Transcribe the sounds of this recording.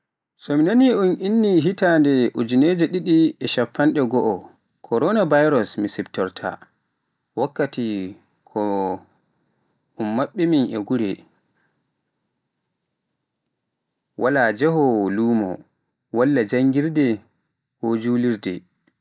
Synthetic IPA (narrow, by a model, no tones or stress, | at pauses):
sɔminaniʔunʔinːiɦitandɛʔud͡ʒuneːd͡ʒɛɗiɗiɛʃapːanɗɛɡɔʔɔ | kʰɔɾɔnabajɾɔsmisibtɔɾtʰa̰ | wakːati | kʰɔ | unːaɓːiminʔɛɡuɾɛ | wʔalad͡ʒɛɦɔluːmɔ̰ | walːad͡ʒaŋɡiɾdɛ | hod͡ʒuːliɾdɛ̰